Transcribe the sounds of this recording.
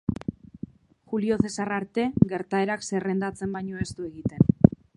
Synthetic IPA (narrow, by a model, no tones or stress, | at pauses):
xulio̞θe̞saraɾt̪e̞ɣe̞ɾt̪ae̞ɾakse̞re̞nd̪at͡se̞mbajɲo̞e̞st̪ue̞ɣit̪e̞n